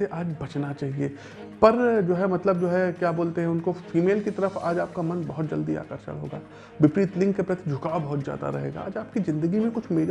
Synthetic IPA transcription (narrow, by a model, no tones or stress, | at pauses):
eʔaːd͡ʒbɐt͡ʃnat͡ʃaːɦieː | pɐɾd͡ʒoːɦɛmɐt̪ləb̚d͡ʒoːɦɛkjaːboːlt̪eɦɛ̃ʊnkofiːmeːlkit̪ɐɾəfa̰ːd͡ʒaːp̚kamɐnbɐɦʊt̪̚d͡ʒɐld̪ia̰ːkəɾʃa̰lɦoːɡa̰ː | ʋɪpɾiːt̪lɪ̃ŋɡkepɾɐt̪id͡ʒʱʊkabɐɦʊt̪zja̰ːd̪a̰ɾɐ̰ɦḛːɡa̰a̰ːd͡ʒaːp̚kizɪ̃nd̪əɡimẽkʊt͡ʃʰmeːɾ